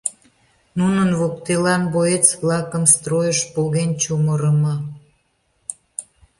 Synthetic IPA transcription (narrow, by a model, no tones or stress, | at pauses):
nunənβokt̪elɑnboet͡sβlɑkə̆mst̪rojəʃpolɣent͡ɕuməɾəmɑ